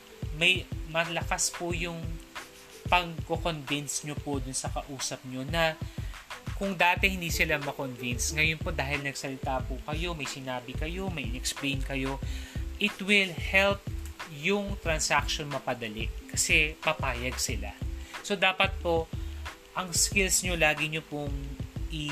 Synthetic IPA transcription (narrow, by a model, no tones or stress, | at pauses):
mɐjmɐlɐkaspʊjʊŋ | pɐɡkokonvɪnsɲopod̪ʊnsɐkɐʔuːsɐp̚ɲo̞nɐ | kʊŋd̪aːt̪ɛhɪnd̪iːsɪlamɐkonvɪnsŋɐjonpo̞d̪aːɦɪlnɐɡsɐlɪt̪apʊkɐjo̞mɐjsɪnaːbɪkɐjo̞mɐjɪ̰nɛksplejnkɐjo̞ʔɪt̪wɪlhɛlp̚jʊŋt̪ɾɐnsakʃonmɐpɐd̪ɐlɪʔkɐsɛpɐpaːjɐɡ̚sɪla̰so̞d̪aːpɐt̪̚po̞ | ʔɐŋskɪlsɲo̞laːɡɪɲopʊŋʔɪ